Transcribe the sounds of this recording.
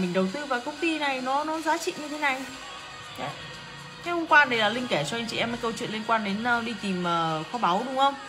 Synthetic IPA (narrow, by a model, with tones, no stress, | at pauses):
mï˨˩ŋ̟ɗə˨˩wt̪ɨ˧vaː˨˩kə˧wŋ͡mt̪i˧na˨˩jnɔ˨˦nɔ˨˦zaː˨˦t͡ɕḭ˧˨ɲɨ˧t̪ʰe˨˦na˨˩j | e˨˦ | ka˨˦jhə˧ŋ͡mkwaː˧ɗə˨˦jlaː˨˩lï˧ŋ̟kɛ˧˩t͡ɕɔ˧a˧ŋ̟t͡ɕḭ˧˨ɛ˧məː˨˦jkə˧wt͡ɕwḭ˧˨nli˧ə˧nkwaː˧nɗe˨˦nəː˧ɗi˧t̪i˨˩mʔəː˨˩xɔ˨˦ɓa˨˦wɗʊ˨˦ŋ͡mxə˧wŋ͡m